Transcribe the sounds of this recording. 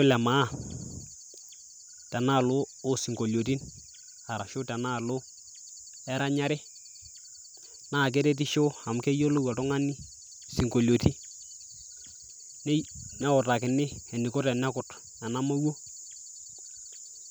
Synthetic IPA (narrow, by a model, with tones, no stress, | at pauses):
o˦lɛ˨ma˨˦ | tɛ˨naː˦˨lʊː˦si˨ŋɡo˨ljo˨t̬i˦n | a˨ɾa˨ʃʊ˦tɛ˨na˦˨lʊ˦ | ɛ˦ɾa˦ɲa˦ɾɪ˦ | naː˦˨k̬ɛ˦ɾɛ˦t̬i˦ʃo˦a˨m˨kɛ˦jo˦lo˦wa˨tʊ˦ŋa˦ni˦ | si˨ŋko˨ljo˨ti˦ | n˦nɛ˦ɔ˨ta˨kɪ˨nɪ˦ɛ˨ni˨ko˦tɛ˨nɛ˦kʊ˨t | na˨na˦ma˦wo˦